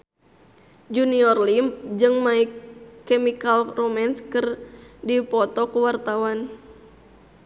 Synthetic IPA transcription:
d͡ʒuniɔrlimp̚d͡ʒɨŋmaikːemikalromɛnskɨrdipɔt̪ɔkuwart̪awan

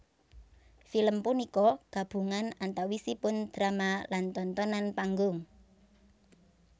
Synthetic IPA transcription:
filəmpunikɔɡ̥ä̤b̥ṳŋanant̪awisipʊnd̪̥ɾamalant̪ɔnt̪ɔnanpaŋɡʊŋ

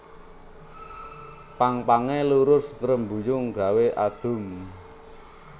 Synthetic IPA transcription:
paŋpaŋeluɾʊsɾəmbujʊŋɡa̤weʔad̪̥ʊ̤m

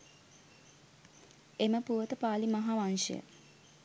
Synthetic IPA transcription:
eməpuʋət̪əpaːlimaɦaʋanʂə̰jə̰

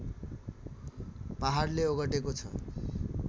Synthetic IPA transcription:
paɦarleoɡʌʈekot͡sʰʌ̰

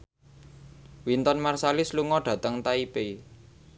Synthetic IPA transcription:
wint̪ɔnmarsalɪsluŋɔɖ̥ä̤t̪əŋt̪aipe

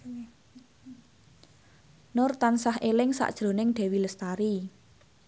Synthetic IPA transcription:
nʊrt̪ansaɦelɪŋsa̰ʔd̥ʒ̥ɾo̤nɪŋɖ̪̥ɛ̤wiləst̪aɾi

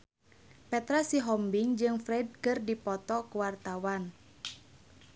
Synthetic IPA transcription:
pɛt̪ɾasiɦɔmbiŋd͡ʒɨŋfɾɛd̚kɨrdipɔt̪ɔkuwart̪awan

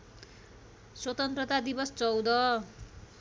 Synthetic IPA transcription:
swʌt̪ʌnt̪rʌt̪ad̪ibʌst͡sʌwd̪ʌ

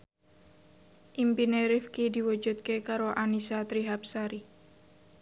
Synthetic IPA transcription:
ʔimpineɾifkid̪iwud͡ʒut̪̚kekaɾoʔanisat̪ɾiɦap̚saɾi

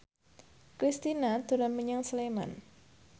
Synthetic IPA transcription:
kɾist̪inat̪uɾanməɲaŋslema̰n

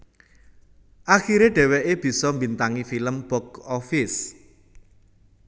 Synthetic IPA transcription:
ʔaxiɾeɖ̥ɛ̤wɛʔeb̥i̤sɔmbint̪aŋifiləmb̥ɔɡɔfɪs

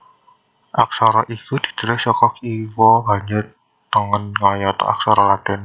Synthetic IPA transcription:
ʔak̚sɔɾɔʔikud̪̥i̥̤d̪̥əɾɪhsɔkɔkiwɔba̤ɲd͡ʒʊr | t̪əŋənŋɔjɔt̪ɔ̰a̰ksɔɾɔlat̪ɪn

